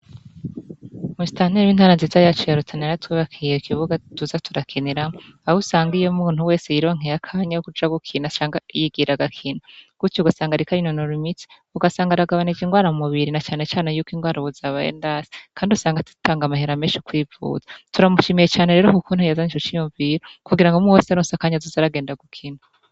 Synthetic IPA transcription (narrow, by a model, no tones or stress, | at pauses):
muzi̥tʰaːniɾejiːnhaːɾanziːzajat͡ʃojaɾutʰaneɾatwiːβakʰijeikʰiβuɡatuzatʰuɾakʰeneɾamoahusaːŋɡijomuːn̥uwe̞ːsejiɾiβaŋ̥ejakʰaːɲajkud͡ʒaɡukʰiːnat͡ʃaːŋɡajiɡiɾaɡakʰiːnaɡ̥ut͡ʃouɡasaːŋɡaɾikaɾinonoɾimit͡si̥ | uɡasaːŋɡaɾaɡaβanid͡ʒiŋɡwaːɾamumuβiɾinat͡ʃaːne̞t͡ʃaːnejuːkwiŋɡwaːɾaβuzaβajḛndasi̥kʰaːndiusaːŋɡatu̥taːŋɡamaheɾameːʃukwiːvṵzḁtuɾamuʃimijet͡ʃaːne̞ɾeːɾokukunajazanit͡ʃot͡ʃijuɱviɾokuɡiɾaŋɡomuwesaɾonsakaːɲazuzaɾaɡeːndaɡukʰina